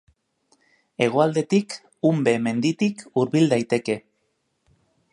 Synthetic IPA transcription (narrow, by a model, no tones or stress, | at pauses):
e̞ɣ̞oald̪e̞t̪ik | umbe̞me̞nd̪it̪ikuɾβild̪ajt̪e̞ke̞